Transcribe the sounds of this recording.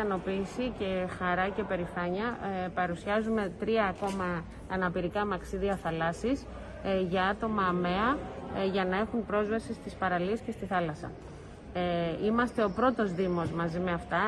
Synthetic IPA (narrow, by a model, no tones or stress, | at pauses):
ɐno̞piːsice̞xɐɾɐce̞pe̞ɾifɐɲɐpɐɾusɐzume̞t̪ɾiɐːko̞mɐː | nɐpiɾikɐmɐksiðiɐθɐlɐsis | ʝɐɐt̪o̞mɐːme̞ɐʝɐnɐe̞xunpɾo̞zvɐsist̪ispɐɾɐliesce̞st̪iθɐlɐsɐ̰ | imɐst̪e̞o̞pɾo̞t̪o̞zðimo̞zmɐzimeɐft̪ɐ